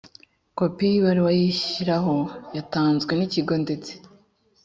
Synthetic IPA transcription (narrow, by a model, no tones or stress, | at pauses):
ko̞pijβaɾiwajiçiɾahojataːnzɡwe̞niciɡo̞nde̞t͡se̥